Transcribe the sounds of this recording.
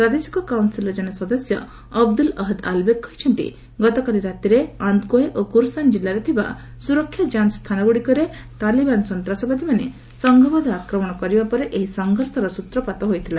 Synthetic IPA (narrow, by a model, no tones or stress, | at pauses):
pɾad̪isi̥kɔkawnsilɔd͡ʒɔɽ̃esɔd̪ɔsjɔː | b̚d̪ulɔɦd̪a̰lbekːɔɦit͡ʃʰɔnt̪ḭ | ɡɔt̪ɔkaliɾat̪iɾeand̪koeʔokuɾsand͡ʒilːaɾet̪ʰiba̰ | suɾɔkʰːjad͡ʒanst̪ʰanɔɡuɽikɔɾe | t̪alibansɔnt̪ɾasɔbad̪imane | sɔŋɡʱɔbɔd̪ʱɔakɾɔmɔɽ̃ɔkɔɾibapɔɾeʔeɦisɔŋɡʱɔɾsɔɾɔsut̪ɾɔpat̪ɔɦojt̪ʰila